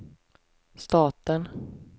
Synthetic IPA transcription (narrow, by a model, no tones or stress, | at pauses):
st̪ɑːt̪ən